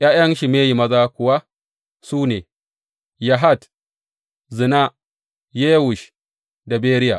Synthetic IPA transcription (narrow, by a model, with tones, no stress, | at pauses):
ʔjaː˦jɐ˦nʃi˨meː˦ji˨mɐ˦zaː˦kʷʊ˨wa˦ | suː˦neː˨ | ja˨ɦa˦t | zɨ˨na˦ | je˦wu˨ʃ | da˨beː˦ɾɪ˦ja̰˨